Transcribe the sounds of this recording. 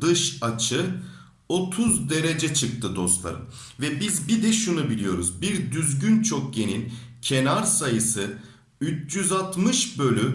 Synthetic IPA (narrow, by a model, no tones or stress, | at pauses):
d̪ɯʃat͡ʃʰɯ | o̞t̪ʰuzd̪e̞ɾed͡ʒɛt͡ʃʰɯk̚t̪ʰɯd̪o̞st̪lˠa̰ɾɯ̰m | vɛbizbid̪ɛʃunubilʲijo̞ɾuzbiɾd̪yzɟynt͡ʃʰok̚ɟe̞nilʲcʰenaɾsajɯsɯ | yt͡ʃjyzat̪mɯʃbø̞lʲy